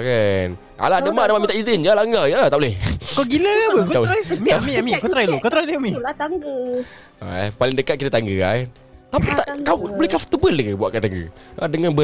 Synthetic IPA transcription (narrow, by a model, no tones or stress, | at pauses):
kan | a̰ladəmaʔdamaʔmit̪aʔizɪnd͡ʒəlaŋajt̪aʔlɛhkɔɡiləbəkmiamĩamĩkɔt̪ɾajlukɔt̪ɾajluami | a̰palɪŋdəkat̪̚kit̪at̪aŋɡəa̰ | t̪apit̪aʔkawbolɛhkaft̪əbələkəbuaʔkat̪aŋɡə̰ | adəŋanbə